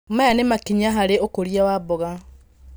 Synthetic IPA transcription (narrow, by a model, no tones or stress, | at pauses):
majanemakiɲaɦaɾeokoɾjawabɔɣa